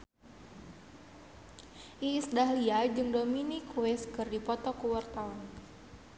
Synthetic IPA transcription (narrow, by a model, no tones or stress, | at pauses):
ʔiːsdaɦliad͡ʒɨŋdominikuwɛskɨrdipɔt̪ɔkuwart̪aɔn